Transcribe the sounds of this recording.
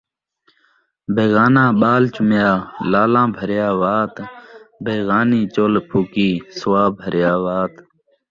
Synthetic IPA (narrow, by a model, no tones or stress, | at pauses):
bʱeːɣaːnãːɓaːlt͡ʃʊmjaːlaːlãːbʱəɾjaːʋaːt̪bʱeːɣaːniːt͡ʃoːlpʰuːkiːswaːbʱəɾjaːʋaːt̪